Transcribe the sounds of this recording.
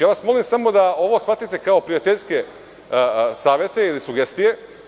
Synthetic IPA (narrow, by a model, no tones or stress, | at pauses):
jaːʋasmo̞limsamo̞d̪ao̞ʋo̞sxfat̪it̪e̞kao̞pɾijat̪eʎʲske̞ | saːʋjet̪e̞ilisuɡe̞st̪ije̞